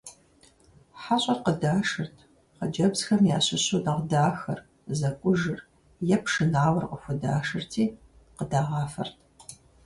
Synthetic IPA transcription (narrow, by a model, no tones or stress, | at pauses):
ħaɕʼɐrqədaːʂɨrtʰ | qɐd͡ʒɐbzxɐmjaːɕɪɕoːdɐʁdaːxɐ̰r | zɐkʷʼʊʒɨr | jɛpʂɨnaːwɐrqʼəxʷʊda̰ːʂɨrtʰiː | qədaːʁɑːfɐ̰rtʰ